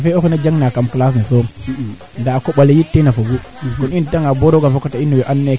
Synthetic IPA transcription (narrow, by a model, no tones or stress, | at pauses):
feokunad͡ʒaŋnakamklas̬niso | ndaakoɓalejitːenafuɡu | kunitaŋaboɾoɡafekotainːuweʔanːa